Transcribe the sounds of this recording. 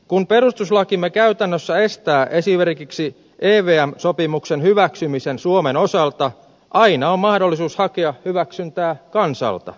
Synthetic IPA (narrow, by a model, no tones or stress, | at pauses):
kumpe̞ɾust̪uslɑkimːekæyt̪ænːøsːæe̞st̪æːʔe̞simerkiksi | ʔeːʋeːæmsopimuksenhyʋæksymisensuomeno̞sɑlt̪ɑ | ʔɑinɑommɑhdolːisuːshɑkeɑhyʋæksynt̪æːkɑnsɑ̰lt̪ɑ̰